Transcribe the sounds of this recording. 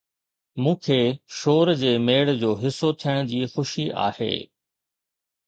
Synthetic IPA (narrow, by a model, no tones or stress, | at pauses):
mũːkʰeːʃoːɾd͡ʑeːmeːɽd͡ʑoːɦɪsːot̪ʰijəɽ̃ʊd͡ʑiːxʊʃiʔa̰ːhḛː